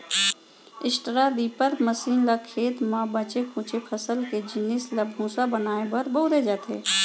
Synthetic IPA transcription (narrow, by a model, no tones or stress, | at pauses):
ɪsʈɾad̪iːpəɾməsiːnlakʰeːt̪mãbət͡ʃekʰũːt͡ʃepʰəsəlked͡ʒɪnɪslabʱũːsabənaːebəɾboɦɾed͡ʒaːt̪ḛː